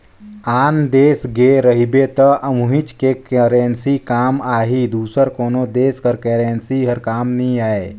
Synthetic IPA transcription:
aːnd̪eːsɡeɾəɦibet̪əʔəmuɦɪt͡ʃkekeɾeːnsikaːmaːɦid̪uːsəɾkoːnod̪eːskəɾkeːɾeːnsiɦəɾkaːmnəĩaːe

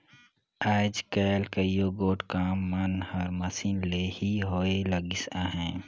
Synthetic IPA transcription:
aːd͡ʒkɛːlkəijoɡoːʈkaːmːɐnhəɾmɐsiːnleːhiɦoːeləɡɪsãɦɛ̃ː

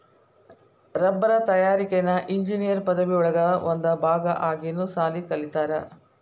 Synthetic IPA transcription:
ɾɐbːɐɾɐt̪ɐjaːɾikenɐʔiɲd͡ʒinijɐɾpɐd̪ɐʋiuɭɐɡɐond̪ɐbʱaːɡɐʔaːɡinːusaːlikɐlit̪aːɾɐ

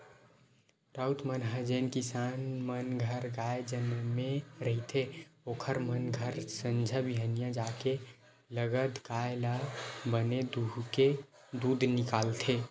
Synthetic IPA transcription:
ɾaut̪mənɦəd͡ʒeːnkɪsaːnmənɡʱəɾɡaed͡ʒənmẽɾəɦit̪ʰeoːkʰəɾmənɡʱəɾsə̃nd͡ʒʱəbiɦənijãd͡ʒaːke | ləɡəd̪kaːelabəned̪uɦke | d̪uːd̪nɪkaːlt̪ʰe

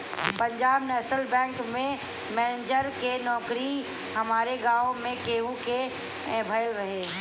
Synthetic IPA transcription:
pə̃ɲd͡ʒaːbnɛːsəlbɛ̃ːŋkmẽ | mɛːnd͡ʒəɾkenɔːkɾi | hɐmaːɾeɡãːomẽkeːuke | bʱəɪlɾəɦeː

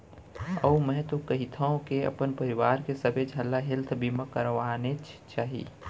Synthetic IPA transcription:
əumɛ̃ːt̪okəɦit̪ʰaõkeə̰pənpəɾɪʋaːɾkesəbʱed͡ʒʱəlːaɦɪlt̪ʰbʱiməkəɾʋanet͡ʃt͡ʃaːɦḭː

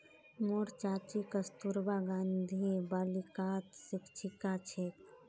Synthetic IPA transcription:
moːɾt͡ʃaːt͡ʃikəst̪uɾbaɡãːnd̪ʱibaːlikaːt̪sɪkt͡ʃʰikat͡ʃʰek

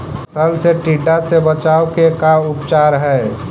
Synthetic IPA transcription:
səlseʈiɖːasebət͡ʃaːokekaʊpt͡ʃaːɾɦɛː

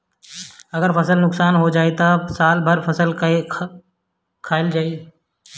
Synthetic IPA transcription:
ɐɡəɾfɐsəlnʊksaːnɦod͡ʒaːet̪asaːlbʱɐɾfɐsəl | kʰaːɪld͡ʒaːi

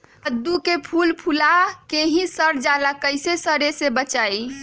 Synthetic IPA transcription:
əd̪ːukepʰulpʰulakeɦĩsəɾd͡ʒalakəjsesəɾesebət͡ʃaj

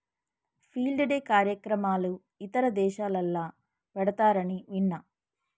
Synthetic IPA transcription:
pʰiːlɖɐɖeːkaːɾjɐkɾɐmaːlu | it̪ɐɾɐd̪ɛːʃaːlɐlːaː | ʋɛɽɐt̪aːɾɐniʋiɳːɐ

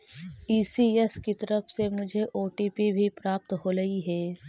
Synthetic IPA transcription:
iːsiɛskit̪ɐɾəfʰsemʊd͡ʒʱeʔoːʈiːpibʱipɾaːp̚t̪ɦoːɾɐɦiɦɛː

